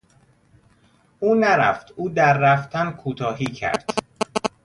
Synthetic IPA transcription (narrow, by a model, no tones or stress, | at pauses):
ʔuːnæɾæ̰ft̪uːd̪æɾːæft̪ʰænkʰuːt̪ʰɒːhiːcʰæ̰ɾd̪̥